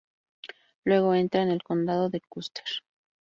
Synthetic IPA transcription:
lwe̞ɣo̞e̞nt̪ɾaene̞lko̞nd̪að̞o̞ðe̞lkust̪eɾ

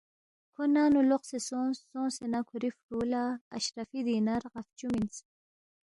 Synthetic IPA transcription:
kʰonaːnuloqsesõːsõːsenakʰuɾifɾuːla̰ːɕɾafid̪iːnaɾʁaft͡ʃumins

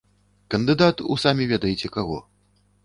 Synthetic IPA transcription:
kɐnd̪ɨd̪at̪ṵsamʲivʲɛd̪ɐjet͡sʲɛkaɣɔ̰

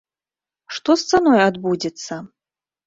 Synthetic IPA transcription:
ʂt̪ɔst̪sanɔjad̪bud͡zʲɛt̪sɐ

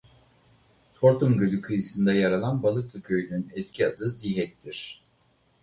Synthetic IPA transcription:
t̪ʰo̞ɾt̪umɟølʲykʰɯjɯsɯnd̪ajaɾalˠanbalˠɯklˠɯkʰø̞jynynɛscʰiad̪ɯziɦɛt̪ːiɾ̥

